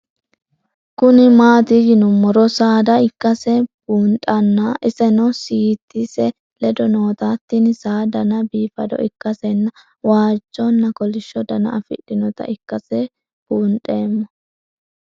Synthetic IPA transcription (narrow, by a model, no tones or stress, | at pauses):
kʊnɪmaːt̪ɪjɪnʊmːɔɾɔsaːd̪ɐɪkːɐsɛbuːntʼɐnːaʔɪsɛnɔsiːt̪ːisɛ | lɛd̪ɔno̞ːt̪at̪ːɪnɪsaːd̪ɐnɐbiːfɐd̪ɔ̰ʔɪkːɐsɛnːɐ | waːd͡ʒːɔnːɐkɔlɪʃːɔd̪ɐnɐ̰ʔɐfɪ̰ᶑɪnɔt̪ɐ̰ʔɪkːɐsɛ | b̥uːntʼeːmːɔ